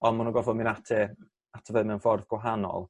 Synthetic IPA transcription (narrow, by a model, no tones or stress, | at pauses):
ɔnmunɔɡɔvɔminatʰɛ | atʰəvəðmɛnfɔrðɡ̥waɦanɔ̰lˠ